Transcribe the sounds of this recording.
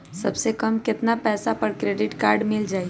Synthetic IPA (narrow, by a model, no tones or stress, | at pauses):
sɐ̰bsekɐmkɪt̪napɛːsapɐɽkɾeːɖɪʈkaːɾɖmɪld͡ʒaːi